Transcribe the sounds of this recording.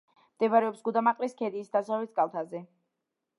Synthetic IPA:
md̪̥ɛvaɾɛɔpsɡud̪amaqʼliskʰɛd̪iːsd̪asalit̪ʰɡalˠt̪ʰazɛ

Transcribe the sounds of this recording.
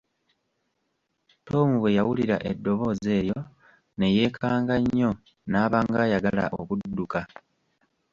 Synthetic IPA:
to̞ːmuwe̞jawuliɾa̰ʔedːo̞βo̞ːze̞ːjo̞ | ne̞je̞ːkʰaːŋɡaɲːo̞ | naːβaŋɡajaɡala̰ʔo̰βudːuka

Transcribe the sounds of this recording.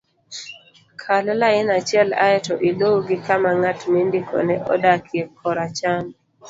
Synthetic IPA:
kʰalɔlaɪnat͡ʃɛla̰ɛtɔʔilowuɡɪkamaŋatmindikʰɔ̰nɛʔɔ̰dakʰjekʰːɔɾat͡ʃam

